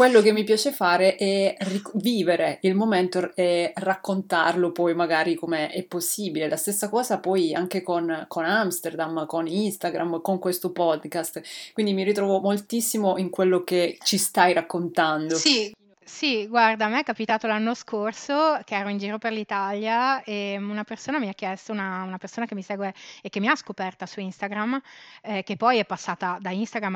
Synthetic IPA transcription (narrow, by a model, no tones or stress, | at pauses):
kwelːokemːipjaːt͡ʃefaːɾeʔɛriviːveɾeilmoment̪oɛrakːont̪arlopɔjmaɡaːɾikomeɛpːosːiːbilelʔast̪esːakɔːzapɔjaŋkekonkonamst̪erd̪amkoninst̪aɡɾʔamkoŋkwest̪opɔd̪kast̪kwind̪imiɾit̪ɾɔːvomolt̪isːimoʔiŋkwelːoket͡ʃist̪ajɾakːont̪and̪os | siɡward̪amɛkːapit̪aːt̪olanːoskorsok̟eɛːɾoind͡ʒiːɾoperlit̪aljaeunapersoːnamiak̟ːjɛst̪ounaunapersoːnakemːiseːɡweːkːemːiaskopɛrt̪asuinst̪aɡɾamɛkepːɔjɛpːasːaːt̪ad̪ainst̪aɡɾam